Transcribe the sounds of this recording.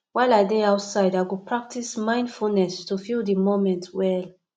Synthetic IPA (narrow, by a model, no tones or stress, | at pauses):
wajladeaʊtsaɪdaɡupʰɹak̚tʰismãɪ̃ndfulnɛstufildimomɛ̃ntwɛl